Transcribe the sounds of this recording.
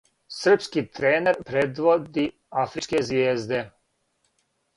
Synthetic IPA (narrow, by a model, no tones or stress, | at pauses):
sr̩pskit̪ɾeːneɾpɾed̪ʋod̪i | afɾit͡ʃkezʋʲjeːzd̪e